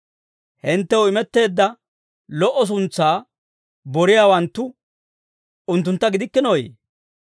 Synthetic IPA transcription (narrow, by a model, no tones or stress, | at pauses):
hɪnt̪ːɛwʊɪmɛt̪ːe̞ːd̪ːɐ | lɔʔːɔs̬ʊnt͡sːaː | bɔɾɪjaːwɐnt̪ːʊ | ʊnt̪ːʊnt̪ːɐɡɪd̪ɪkːɪnojḛ